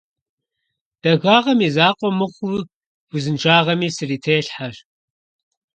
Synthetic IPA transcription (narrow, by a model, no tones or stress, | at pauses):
d̥ɐɣaːʁɐmizaːqʷʼɔmɨχʷʊ | wʷʊzɨnʈ͡ʂʰʼaːʁɐmiːsɨriːtʰeːɬħar